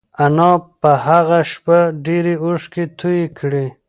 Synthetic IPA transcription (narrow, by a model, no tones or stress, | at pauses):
anɑpəhaɣaʃpaɖeɾeuʂket̪ʰujekʰɽe